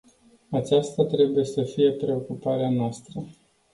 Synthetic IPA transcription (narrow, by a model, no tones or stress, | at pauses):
at͡ʃast̪at̪ɾe̞buje̞səfije̞pɾe̞o̞kupaɾeanoast̪ɾə